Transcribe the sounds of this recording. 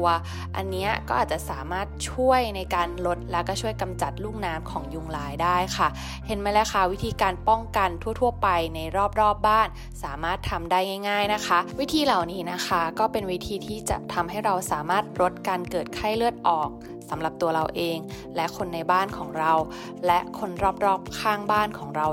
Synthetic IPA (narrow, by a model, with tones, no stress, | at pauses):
ɐ | ʔa̰˧nːi˦˥ɐkɔː˥˩ʔaː˨˩t̪̚t͡ɕa˨˩ʔsaː˩˦maː˥˩t̪̚t͡ɕʰu˥˩əjna˧jkaː˧nlo˦˥t̪̚lɛ˦˥wkɔː˥˩t͡ɕʰu˥˩əjka˧mt͡ɕa˨˩t̪̚luː˥˩ŋnaː˦˥mkʰɔː˩˦ŋju˧ŋlaː˧jdaː˥˩jkʰa˥˩ | he˨˩˦nma˥˩lɛː˦˥wxʰa˥˩wi˦˥t̪ʰiː˧kaː˧npɔ˥˩ŋka˧nt̪ʰu˥˩ɐt̪ʰu˥˩əpa˧jna˧jɾɔː˥˩p̚ɾɔː˥˩p̚baː˥˩n | saː˩˦maː˥˩t̪ʰːa˧mdaː˥˩jŋa˥˩jŋaː˥˩jna˦˥kʰa˦˥ʔwi˦˥t̪ʰiː˧la˨˩wniː˦˥na˦˥kʰa˦˥kɔː˥˩pe˧nwi˦˥t̪ʰiː˧t̪ʰiː˥˩t͡ɕa̰˨˩t̪ʰa˧mɦa˥˩jɾa˧wsaː˩˦maː˥˩t̪̚ɾo˦˥t̪̚kaː˧nkɤː˨˩t̪̚kʰa˥˩jlɯ˥˩ət̪̚ʔɔː˨˩k̚ | sa˩˦mla˨˩p̚t̪u˧ɐɾa˧wʔeː˧ŋ | lɛ˦˥ʔkʰo˧nːa˧jbaː˥˩nkʰɔː˩˦ŋɾa˧w | lɛ˦˥ʔkʰo˧nɾɔː˥˩p̚ɾɔː˥˩p̚kʰaː˥˩ŋbaː˥˩nkʰɔː˩˦ŋɾa˧w